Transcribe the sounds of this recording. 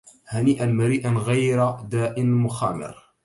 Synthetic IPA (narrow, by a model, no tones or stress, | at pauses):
haniːʔanmaɾiːʔanɣajɾad̪aːʔɪnmʊxaːmɪ̰ɾ